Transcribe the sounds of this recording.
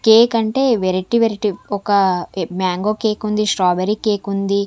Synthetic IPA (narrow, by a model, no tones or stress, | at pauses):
keːkɐɳʈe̞ːʋeɾiʈiʋeɾiʈiɔkɐmjaːŋɡoːkeːkund̪iʂʈɾaːbeɾikeːkund̪i